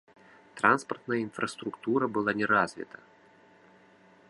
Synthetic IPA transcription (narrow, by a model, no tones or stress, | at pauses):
t̪ɾanspɐrt̪nɐjəinfɾɐst̪ɾukt̪uɾɐbɨlˠanʲɛɾazʲvʲɛ̰t̪ɐ